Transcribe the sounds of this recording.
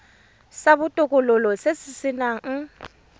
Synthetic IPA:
sabʊtʼɔkʼɔlɔlɔsesɪsɪna

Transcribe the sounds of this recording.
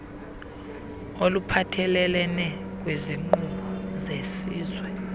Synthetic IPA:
olupʰatʰɛlɛlɛnɛk̬ʼweziŋ͡ǃuɓɔzesiːzwɛ

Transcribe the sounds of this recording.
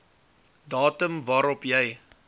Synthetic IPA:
dɑːtəmvɑːɾɔpjɛj

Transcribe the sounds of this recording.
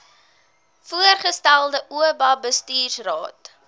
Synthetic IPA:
fuərχəstælˠdəʔuəbɐbəstiːrsrɑ̰ːt

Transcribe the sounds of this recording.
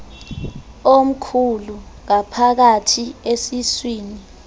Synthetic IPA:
om̩kʰuluŋ̬apʰak̬atʰiesiswiːni

